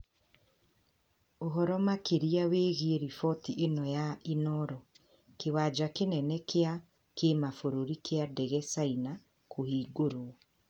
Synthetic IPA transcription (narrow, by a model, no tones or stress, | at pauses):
oɦɔɾɔmakeɾiaweːɣieɾifɔtiʔenɔjainɔɾɔ | kewaːd͡ʒakenɛnɛkʰea | kemafoɾoɾikʰeadɛɣɛsaina | kʰohiːɡoɾoɔ